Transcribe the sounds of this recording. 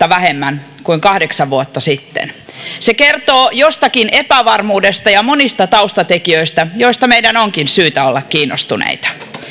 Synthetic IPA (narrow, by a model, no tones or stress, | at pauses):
ɑʋæhemːæn | kuiŋkɑhdeksɑʋʋuot̪ːɑsit̪ːḛn | sekert̪oːjost̪ɑkinʔepæʋɑrmuːdest̪ɑjɑmonist̪ɑt̪ɑust̪ɑt̪ekiøist̪æjoist̪ɑmeidænoŋkinsyːt̪æolːɑkkiːnːo̰st̪unḛit̪ɑ̥